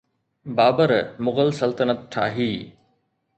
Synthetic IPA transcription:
baːbəɾmʊɣəlsɐlt̪ənət̪̚ʈʰa̰ːɦiː

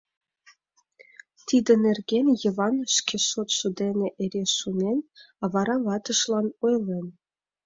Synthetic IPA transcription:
t̪ʲid̪ʲɘ̆nʲĕrʲɡʲenʲjɤ̆ʋɑnʂkʲesot̪sud̪ʲenʲɘ̆ʔeɾʲesunʲenʲ | ɑʋɑɾɑʋɑt̪ɤ̆ʂlˠɑnujlʲˠenʲ

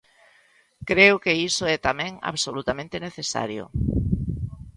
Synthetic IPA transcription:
kɾeʊkeisoɛt̪amɛ̃ŋa̰βsolut̪amẽnt̪eneθesa̰ɾjʊ̰

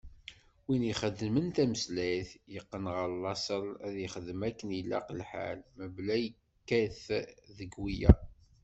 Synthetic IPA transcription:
winiχəd̪ːəmənt̪æməslæθjəqːənʁəɾlːɑsəlæðjəχəðəmækːənilːæ̰qlħa̰lməblæjə | kːæθðəɡwijæ̰

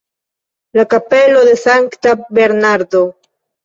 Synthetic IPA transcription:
lakape̞lo̞d̪e̞saŋkt̪abeɾnaɾd̪o

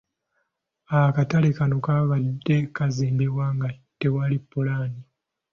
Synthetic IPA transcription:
akatalekano̞kaβadːe̞kaziːmbiβwaŋɡate̞walipːulaːni

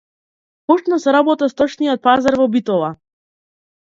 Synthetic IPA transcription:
pɔt͡ʃnɔsɛɾabɔt̪ast̪ɔt͡ʃnijɔt̪̚pazaɾvɔbit̪ɔlˠa

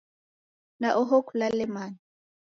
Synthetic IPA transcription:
naʔɔɦokʰulalɛmaːni

